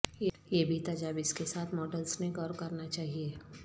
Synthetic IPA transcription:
jebʱit̪ɐd͡ʒaːbɪskesaːt̪ʰmɔːɖəlsnẽkɔːɾkɐɾnat͡ʃaːɦieː

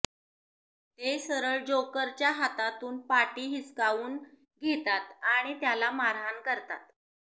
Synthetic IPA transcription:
t̪esəɾəɭd͡ʑokəɾt͡ɕjaɦat̪at̪uːnpaʈiːɦiskauːn | ɡʱet̪at̪aɽ̃it̪jalamaɾɦankəɾt̪a̰t̪

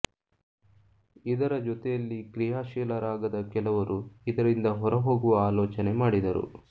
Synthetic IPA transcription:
id̪ɐɾɐd͡ʒɔt̪ɛjɐlːikɾijaːʃɛːlɐɾaːɡɐd̪ɐkɛlɐʋɐɾuid̪ɐɾind̪ɐɦɔɾɐɦo̞ːɡuʋɐaːloːt͡ʃɐne̞maːɽid̪ɐɾṵ

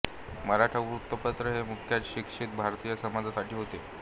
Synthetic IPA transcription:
məɾaʈʰəɾut̪ːəpət̪ɾəɦemukʰjat͡sɕikʂiːt̪̚bʱaɾt̪ijasəmad͡zasaʈʰiːɦot̪e

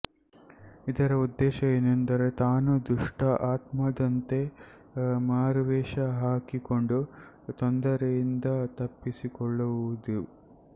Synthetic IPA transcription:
id̪ɐɾɐud̪ːɛːʃɐenɐnt̪ɐɾe̞t̪aːnud̪uʂʈɐʔaːt̪mɐd̪ɐnt̪e̞ | maːɾʋɛːʃɐɦaːkikoɳɖu | t̪ond̪ɐɾejind̪ɐt̪ɐpːisikɔɭːuʋud̪u

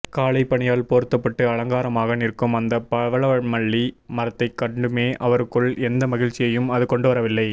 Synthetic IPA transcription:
kaːɭɐɪpːɐɳɪjaːlpoːɾɯt̪ːɐpːɐʈːɯɐɭɐŋɡaːɾɐmaːɣɐnɪrkːɯmɐnd̪ɐpɐʋɐɭɐʋɐɻmɐɭːimɐɾɐt̪ːɐɪkːɐɳɖɯmeːʔɐʋɐɾɯkːɯɭɛnd̪ɐmɐɣɪɻt͡ʃːɪjɐjɯmɐðɯkɔɳɖɯʋɐɾɐʋɪlːɐɪ

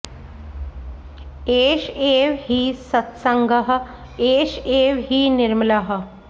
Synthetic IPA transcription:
eːʃeʋɦiːsət̪səŋɡʱəɦə̆ | eːʂeːʋɦiːnɪɾmlaɦə̆

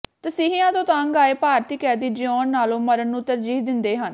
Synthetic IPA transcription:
t̪əsiːɦijãːt̪õːt̪ãːəŋɡaːeːpaːɾt̪iːkɛːd̪iːd͡ʒɪɔːnːaːlõːməɾənːũːt̪əɾd͡ʒiːɦd̪ɪnd̪eːɦən

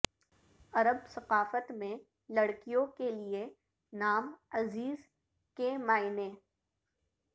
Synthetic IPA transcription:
ɐɾəbsɐqaːfət̪mẽ | lɐɽkijõkelie | naːmɐziːz | kemaːɪneː

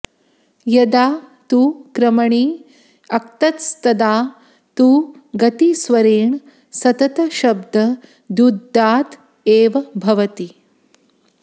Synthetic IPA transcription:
jɐd̪aːt̪uːkɾɐmɐɳiː | ɐk̚t̪ɐt̪st̪ɐd̪aː | t̪uː | ɡɐt̪isʋɐɾeːɳ | sɐt̪ɐt̪ɐʃɐbd̪ʱɐ | d̪ud̪ːaːt̪ | eːʋɐbʱɐʋɐt̪i

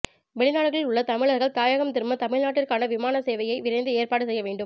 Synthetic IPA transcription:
ʋɛɭɪnaːɭɣɐɭɪlʊɭːɐt̪ɐmɪɭɐɾɣɐɭt̪aːjɐɣɐmt̪ɪɾmɐt̪ɐmɪɭnaːʈːɪrkaːnɐʋɪmaːnɐseːʋɐjɐɪʋɪɾɐɪnd̪ɯeːɾpaːɽɯsɛjːɐʋeːɳɖɯm

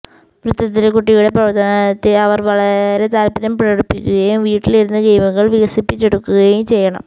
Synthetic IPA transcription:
ʋɾɨt̪ːɐt̪ːilkuʈːijuɽe̞prɐʋɐrt̪ːɐnɐt̪ːiɐʋɐrʋɐɭɐɾe̞t̪aːlpɐɾɐmpiɾɐɽupːikʲːuɣɐjumʋiːʈːiliɾunːɨɡɐjmɐŋːɐɭʋiɣɐsipːit͡ɕːeɽukːuɣɐjumt͡ɕejːɐɳɐ̰m

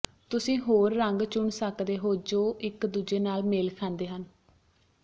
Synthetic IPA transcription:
t̪ʊsĩːɦoːɾːəŋɡt͡ʃʊɳsəkd̪eːɦoːd͡ʒoːʔɪkd̪uːd͡ʒeːnaːlmeːlkʰãːnd̪eːɦən

